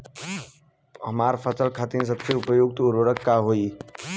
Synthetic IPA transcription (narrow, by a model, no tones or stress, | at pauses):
ɦɐmaːɾpʰəsəlkʰaːt̪ins̬əbseʊpəjoːɡ̚t̪ʊɾwəɾəkːaɦoːi